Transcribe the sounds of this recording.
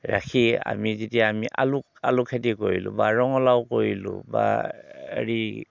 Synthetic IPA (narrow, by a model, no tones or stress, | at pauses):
ɹakʰia̰mizitijaːmiʔalʊk̚alukʰatikoɹilʊ̰̃baɹɔŋɔlaʊkoɹilʊ̰̃ba̰ | ḛɹi